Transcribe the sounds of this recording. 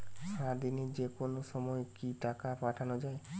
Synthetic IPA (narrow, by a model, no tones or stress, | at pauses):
ʃad̪ined͡ʒekonosɔmɔekiʈakapaʈʰanod͡ʒae